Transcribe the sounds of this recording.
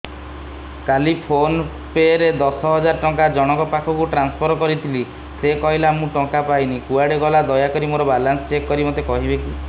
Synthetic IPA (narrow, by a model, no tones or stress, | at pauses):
kalipʰon | peɾed̪ɔsɔɦɔd͡ʒaɾɔʈɔŋkad͡ʒɔɽ̃ɔkɔpakʰɔkuʈɾanspʰɔɾɔkɔɾit̪ʰili | sekɔɦilamũʈɔŋkapajnikuaɽeɡɔlad̪ɔjakɔɾimoɾɔbalansɔt͡ʃekːɔɾimot̪ekɔɦibeki